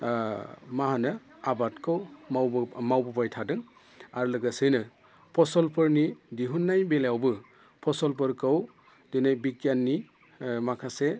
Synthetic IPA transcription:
maɦanɯ | abatkʰɯwawmawbɔpajtʰadɯŋ | aɾulɯɡasɯjnɯ | pʰɔsɔlpʰɯɾnidiɦunːajbeljawbɯ | pʰɔsɔlp̬ɯɾkʰɯw | dinajbikjanːi | makʰase

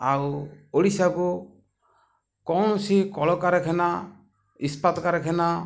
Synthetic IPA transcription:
awoɽisaɡu | kɔñɔsikɔɭɔkaɾɛkʰɛna | ispat̪ɔkaɾɛkʰɛna

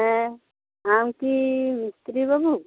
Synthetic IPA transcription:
ɛ | amkimist̪ɾibɐbʱu

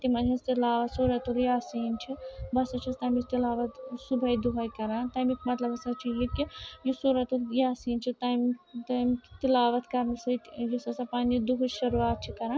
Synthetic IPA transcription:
t̪imɐnd͡ʒɐst̪ilaːʋɐt̪suːɾɐt̪uɾjaːsiːnt͡ʃʰibɐsɐt͡ʃʰist̪aːmit͡ʃt̪ilaːʋɐt̪subʱɐjd̪uɦɐjkɐɾãːt̪aːjmikmɐt̪lɐbɐsɐt͡ʃʰijikijusoɾɐt̪uɾjaːsiːnt͡ʃʰit̪ajmt̪amkt̪ilaːʋɐt̪kɐɾnɐsɐt̪jusɐsɐpaːnid̪uɦʃɐɾuaːt̪̚t͡ʃʰikɐɾãː

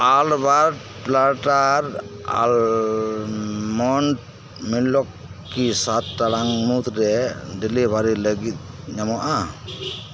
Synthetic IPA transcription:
albaɾ | plaɾʈaɾa̰l | mɔnʈ | milɔkː | isat̪̚talaŋmut̪ɾɛdilibʱaɾiləɡit̪̚ | ɲamɔʔa

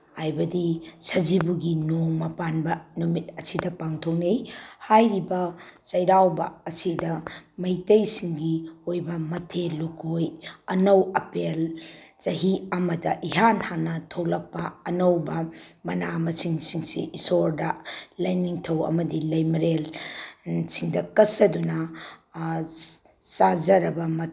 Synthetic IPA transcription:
hajbɐdisɐd͡ʒibuɡinoŋmɐpanbɐnumit̚ɐsidɐpaŋtʰownejhajɾibɐsɐjɾawbɐɐsidɐmɐjtɐjsiŋɡiojbɐmɐtʰelːukʰojɐnɐwɐpelzɐɦiɐmɐdɐʔiɦanhanːɐtʰowlɐk̚pɐɐnɐwbɐmɐnamɐsiŋsiŋsḭʔisoɾdalɐjniŋtʰɐwɐ̰mɐdilɐjmɾel | siŋdɐkɐsɐdunɐ | sazɐɾɐbɐmɐ

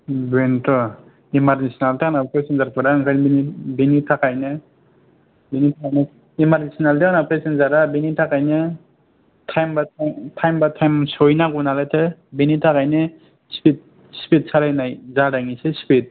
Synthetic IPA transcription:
bentɔ | imaɾnesinaltaanapɾesinzaɾpʰɯɾaɯŋkʰanbinibinitʰakajnɯ | binitʰakajne | imaɾnesɔnalteanapɾesinzaɾabinitʰakajnɯ | tʰajmbatʰajmbatʰajmsɔjnaɡunalatʰɯbinitʰakajnɯ | spʰit̚ | spʰit̚sʰaɾajnajzaɾaŋisespʰit̚

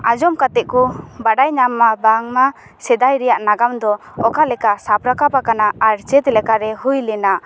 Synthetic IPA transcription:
ad͡ʒɔmkat̪ɛʔkubaɖajɲamːabaŋma | sɛd̪ajɾɛjaʔnaɡamd̪ɔ | ɔkalɛkasapɾakapakanaaɾt͡ʃɛt̪ɛlɛkaɾɛɦujlɛna

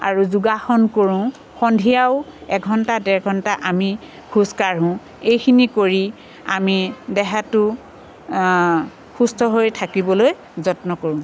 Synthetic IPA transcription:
a̰ɹuzuɡaxɔnkoɹũ | xɔndʱijaʊɛkɡʱɔntadɛɹɡʱɔntaʔami | hʰuskaɹɦʊ̃ | ejkʰinikoɹi | amidɛɦatʊ | xustɔɦojtʰakibɔloj | zɔtnɔkoɹʊ̃

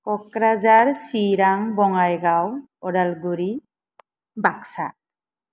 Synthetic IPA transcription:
kɔkɾazaɹsiɾaŋbɔŋajɡaw | ɔɾalɡuɾi | baksa̰

